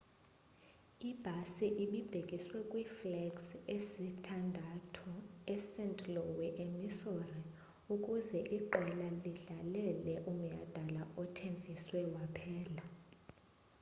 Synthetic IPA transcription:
ib̥ʱasiʔiɓib̥ʱekʼiswɛkʼwiflɛɡsesitʰandʱatʰɔɛsɛntʼlɔwɛʔemisori | ukʼuzɛʔiǃɛlaliɮalɛlɛʔum̩ja̰d̥ʱalaʔɔtʰeɱvʱiswɛwapʰɛːla

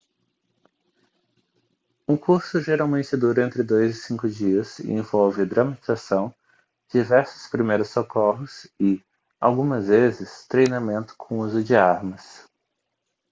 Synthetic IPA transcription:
ũkuɾsʊʒeɾawmẽnt͡ʃɪd̪uɾɐ̃nt̪ɾɪd̪ojzɪsĩŋkʊd͡ʒiɐsḛ̃vɔwvɪd̪ɾɐmat͡ʃizasɐ̃w̃ | d͡ʒivɛɾsʊ̥spɾimejɾʊsːokɔɦʊsɪ | awɡũmɐzvezɪst̪ɾejnamẽnt̪ʊ̥kʰõuzʊd͡ʒɪaɾmɐs

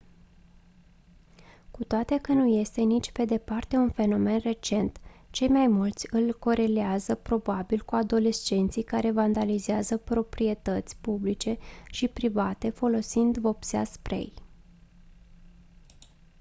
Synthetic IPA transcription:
kut̪oat̪e̞kənuje̞st̪e̞nit͡ʃʲpe̞d̪e̞part̪e̞unfe̞no̞me̞nre̞t͡ʃe̞nt̪t͡ʃe̞jmajmult̪sʲɨlko̞ɾe̞leazəpɾo̞babilkuad̪o̞le̞st͡ʃe̞nt̪sijkaɾe̞vand̪alizeazəpɾo̞pɾie̞t̪ət̪sʲpublit͡ʃe̞ʃipɾivat̪e̞fo̞lo̞sind̪vo̞psea̰spɾe̞̰j

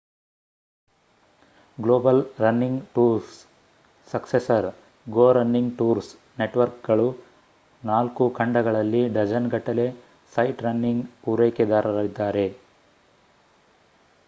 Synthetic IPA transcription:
ɡloːbɐlɾɐnːiŋɡʈuːɾsː | ɐksesɐɾ | ɡoːɾɐnːiŋɡʈuːɾs | neʈʋɐɾk̚ɡɐɭu | naːlkukʰɐɳɖɐɡɐɭɐlːiɖɐd͡ʒɐnɡɐʈːɐle̞ | sɐjʈɾɐnːiŋɡpuːɾeːked̪aːɾɐlid̪ːaːɾe̞

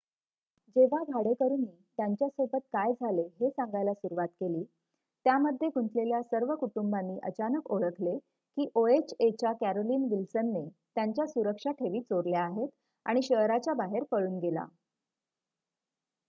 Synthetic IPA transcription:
d͡ʑeʋabʱaɽekəɾuːnːiːt̪jaɲt͡ɕjasobət̪̚kajd͡zʱaleɦesãŋɡajlasuɾuʋat̪keliː | t̪jaməd̪ʱːjeɡunt̪ʰleljasəɾʋəkuʈumbanːiːʔə̰t͡ɕanəkoɭəkʰle | kiːʔoet͡ɕet͡ɕjakæɾoliːnʋilsənːet̪jaɲt͡ɕjasuɾəkʂaʈʰeʋiːt͡soɾljaːɦet̪ | a̰ɽ̃iɕəɦɾat͡ɕabaɦeɾpəɭuːnɡela̰

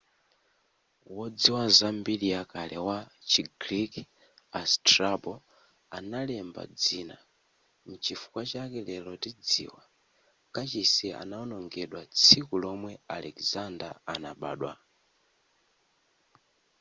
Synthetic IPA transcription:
wɔd͡ziwazambiliakalɛwat͡ʃiɡɾik | astrabɔ | analɛmba̰d͡ziːna | mut͡ʃifu̥kwat͡ʃakɛlɛlɔtid͡zḭːwa | kat͡ʃisɛa̰naɔnɔŋɡɛɗwat͡sʰikulɔmwɛalɛkzandaanaɓa̰ːɗwa̰

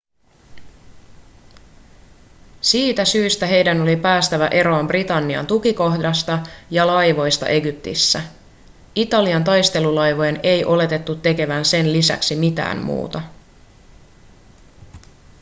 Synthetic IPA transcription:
siːt̪æsyːst̪æɦe̞jdæno̞lipæːst̪æʋæʔe̞ɾo̞ɑmbrit̪ɑnːiɑ̰nt̪ukiko̞hdɑst̪ɑjɑlɑjʋo̞jst̪ɑ̰ʔe̞ɡyp̚t̪ḭsːæ | it̪ɑliɑnt̪ɑjst̪e̞lulɑjʋojene̞jʔo̞le̞t̪e̞t̪ːut̪ːe̞ke̞ʋænse̞nlisæ̰ksimit̪æ̰ːmmṵːt̪ɑ

